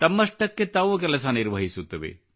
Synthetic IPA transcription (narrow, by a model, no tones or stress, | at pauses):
t̪ɐmːɐʂʈɐkːet̪ɐʋuk̬ɛlɐsɐniɾʋɐɦisut̪ːɐʋḛ